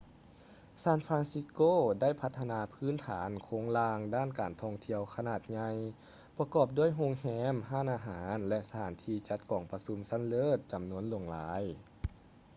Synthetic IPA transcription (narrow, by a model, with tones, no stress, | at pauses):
saː˧˥˨nfɾaː˧˥nsi˧˦˥koː˥˩da˥˩jpʰa˧t̪ʰːa˧naː˧pʰɯː˧˥˨nt̪ʰaː˩˦nkʰoː˧˥ŋlaː˧ŋdaː˥˩˨nkaː˨˩nt̪ʰɔ˧˩ŋt̪ʰi˧˨əwkʰa˧naː˧˩t̪̚ɲa˧j | pa˧kɔː˧˩p̚du˥˩əjɦo˧ŋhɛː˧˥mɦaː˧˥˨nʔaː˧ɦaː˩˦nlɛ˧ʔsa˧t̪ʰaː˩˦nt̪ʰiː˧t͡ɕa˧˥t̪̚kɔː˨˩ŋpa˧su˧˥msa˧˥˨nlɤː˧˥˩t̪̚t͡ɕa˨˩mnu˧˥ənlu˧˩əŋlaː˨˦j